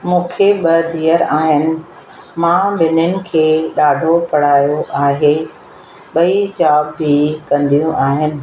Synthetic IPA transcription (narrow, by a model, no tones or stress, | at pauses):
mũːkʰeɓɐd̪ʱiːəɾaːɦɪnɪ̆ | mãbʱɪnʊnɪ̆kʰeːɗaːɖʱopɐɽ̤aːjoʔaːɦe | ɓɐid͡ʑaːbːikɐ̃nd̪ijũʔaːɦɪnɪ̆